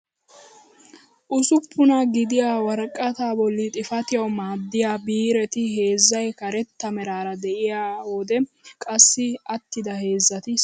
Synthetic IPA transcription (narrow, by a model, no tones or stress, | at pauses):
ʔʊsʊpʰːʊnɐɡɪd̪ɪjaːwɐɾkʼːɐt̪aːbɔlːɪt̪ʼɪfɐt̪ɪjɐwmaːd̪ːɪjaːbiːɾɛt̪ɪɦe̞ːzːɐjkɐɾɛt̪ːɐmɛɾaːɾɐd̪ɛʔɪjaːwɔd̪ɛkʼɐsːɪɐt̪ːɪd̪ɐhe̞ːzːɐt̪ɪs